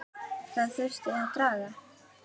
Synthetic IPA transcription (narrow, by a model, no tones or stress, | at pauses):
θaðθʏst̪t̪ɾaːɣa